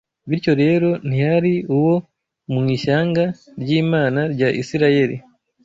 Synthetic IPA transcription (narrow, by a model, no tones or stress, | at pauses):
βiɾjo̞ɾe̞ːɾo̞n̥ihaɾiuwo̞ | muŋiːʃaːŋɡaɾɟiːmaːnaɾɟaʔḭsiɾaje̞ɾḭ